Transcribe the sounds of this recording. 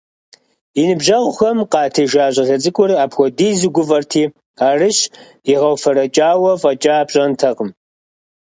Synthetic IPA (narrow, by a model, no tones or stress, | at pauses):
inɨbʒɐʁʷʊxɐmqɑːtʰeːʒaːɕʼɐɮɐd͡zʼɨkʷʼʊraːpʰxʷɔdiːzɨɡʷʊvɐrtʰiː | aːrɨɕ | iʁɐwfɐɾɐt͡ʃʼaːwɐvɐt͡ʃʼaːpɕʼɐntʰɐqəm